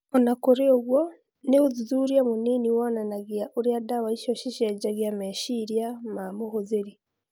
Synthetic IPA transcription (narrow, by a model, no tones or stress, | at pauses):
onakoɾeoɣwo | neozizuɾjamuniniwananaɣiaʔuɾiadawaiʃoʃiʃaɟaɣjameʃiɾjamamoɦozeɾi